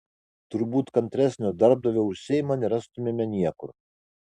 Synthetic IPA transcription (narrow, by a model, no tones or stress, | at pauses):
t̪ʊɾbuːt̪kɐnʲt̪ʲɾʲæsʲnʲoːd̪ɐɾb̚d̪ɐʋʲoːʊʃʲsʲɛjɪmɐnʲɛɾɐst̪ʊmʲemʲɛnʲiɛkʊɾ